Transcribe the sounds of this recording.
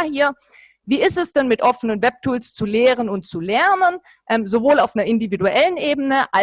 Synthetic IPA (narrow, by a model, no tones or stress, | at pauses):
hiːɐ | viːɪstɛsd̥ɛnmɪtʔɔfənənvɛp̚tʰuːlst͡suleːʁənʊntt͡sulɛɐnən | ʔɛːmzovoːlaʊfnɐɪndividuʔɛlənʔeːbənəʔa